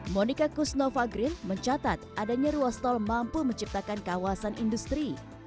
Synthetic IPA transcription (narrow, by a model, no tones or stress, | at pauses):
monikakusnɔfaɡɾɪnməɲt͡ʃat̪at̪̚ʔadaɲaɾuast̪ɔlmampuməɲt͡ʃip̚t̪akankawasanindust̪ɾi